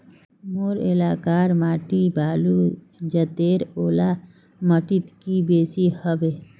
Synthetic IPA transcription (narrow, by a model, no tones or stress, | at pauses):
moɾḛlaːkaːɾmaːʈibaːlu | d͡ʒət̪eːɾoːla | məʈit̪kibeːsihəbeː